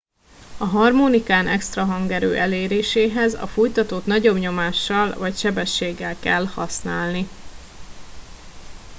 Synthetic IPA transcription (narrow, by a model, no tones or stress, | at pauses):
ɒɦɒrmoːnikaːnʔɛkst̪rɒɦɒŋɡɛɾø̰ːʔɛleːɾeːʃeːɦɛzɒ̰fujt̪ɒt̪oːt̪nɒɟo̞bɲo̞maːʃːɒlvɒcʃɛbɛʃːeːɡːɛlkɛlhɒ̰snaːlni